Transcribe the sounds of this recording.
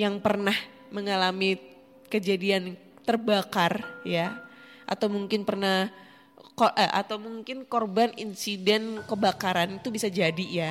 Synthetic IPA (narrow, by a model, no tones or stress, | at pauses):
jaŋpərnah | məŋalami | kəd͡ʒadian | t̪ərbakarja | ʔa̰t̪awmuŋkɪnpərnah | koʔəʔa̰t̪awmuŋkɪnkɔrbaninsidɛnkəbakaɾanit̪ubisad͡ʒadija